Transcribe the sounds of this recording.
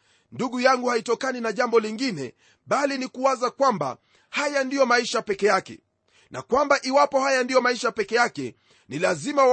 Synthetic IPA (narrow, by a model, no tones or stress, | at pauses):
nduɠujaŋɡuhaitɔkaninaʄambɔliŋɡinɛ | ɓalinikuwazakwamba̰ | hajandijɔmaiʃapɛkɛjakɛ̰ | nakwambaʔiwapɔhajandijɔmaiʃapɛkɛjakɛ | nilazima